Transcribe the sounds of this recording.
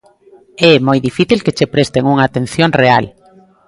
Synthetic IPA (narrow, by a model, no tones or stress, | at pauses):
ɛmojðifiθilket͡ʃepɾest̪eŋuŋaːt̪ẽnθjoŋreal